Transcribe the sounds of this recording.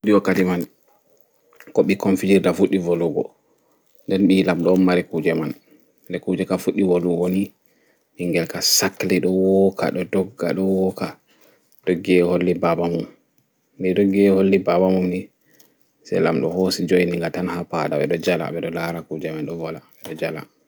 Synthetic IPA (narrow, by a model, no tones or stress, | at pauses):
udiwakːatiman | kɔɓikonfid͡ʒiɾdafuɗːivoluɡɔ̰ | ndɛnɓilamɗɔːmːaɾɛkud͡ʒɛman | dɛkud͡ʒɛkafuɗːiwoluwoni | ʔiŋɡɛlkasakːlɛɗɔwɔkʰa̰ɗɔdɔɡːa̰ɗɔwɔka | ɗɔɡɛholːibabamum | miɗɔɡɛholːibabamumni | sɛ̰lamɗɔ̰hosid͡ʒojniŋɡatanhapa̰da̰ɓɛ̰ɗɔd͡ʒala̰ɓɛɗɔlaɾakud͡ʒɛmanɗɔvɔlaɛɗɔd͡ʒala̰